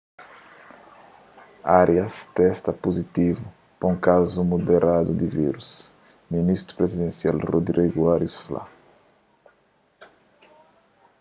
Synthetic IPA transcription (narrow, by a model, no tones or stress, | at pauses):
aɾjɐst̪ɛst̪ɐpozit̪ivu | pãũŋkazumod̪eɾʔad̪ud̪ɪviɾus | minist̪ɾu̥pɾezid̪ẽnsialrod̪ɾiɡuaɾjusfla̰